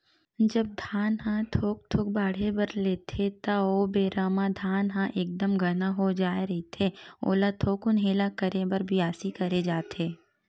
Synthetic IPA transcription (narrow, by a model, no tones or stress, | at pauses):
d͡ʒɐb̚d̪ʱaːnɦãt̪ʰoːk̚t̪ʰoːk̚baːɽ̤ebɐɾleːt̪ʰet̪aoːbeːɾaːmãd̪ʱaːnɦãʔeːk̚d̪əmɡʱɐnaɦod͡ʒaːeɾɐit̪ʰeo̰ːlat̪ʰoːkʊnɦeːlakəɾebɐɾbʱiaːsikɐɾed͡ʒaːt̪eː